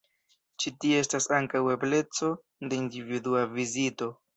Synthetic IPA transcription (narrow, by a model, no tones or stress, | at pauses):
t͡ʃitieestasaŋkaweple̞t͡so̞ | de̞individuavizito̞